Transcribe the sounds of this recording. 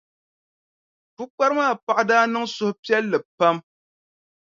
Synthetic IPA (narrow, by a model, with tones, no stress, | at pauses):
pu˦k͡pa˦ɾɨ˦maː˦˨pa˨ʔa˦daː˦nɨ˦ŋsʊ˦hʊ˦pi˦ɛ˦lːɨ˨pa˦m